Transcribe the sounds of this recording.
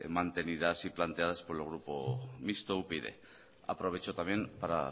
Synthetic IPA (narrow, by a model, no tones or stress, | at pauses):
mant̪e̞niðasiplant̪eað̞aspoɾelɣ̞ɾupomist̪oupeðe̞̰ | a̰pɾo̞β̞e̞t͡ʃot̪amje̞npaɾa̰